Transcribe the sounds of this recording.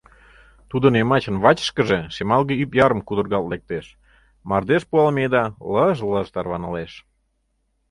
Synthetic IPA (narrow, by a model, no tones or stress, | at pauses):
t̪ud̪ənemɑt͡ɕənβɑt͡ɕə̥ʃkəʒesemɑlˠɣeypjɑɾəmkud̪ərɣɑllek̚t̪eʃ | mɑrd̪eʃpuɑlmed̪ɑləʒləʒt̪ɑrβɑnəleʃ